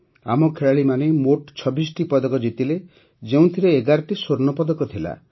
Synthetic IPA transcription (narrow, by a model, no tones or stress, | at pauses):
a̰mɔkʰeɭaɭimanemoʈt͡ʃʰɔbis̬ʈipɔd̪ɔkɔd͡ʒit̪ile | d͡ʒeũt̪ʰiɾeːɡaɾɔʈisoɾnɔpɔd̪ɔkɔt̪ʰila̰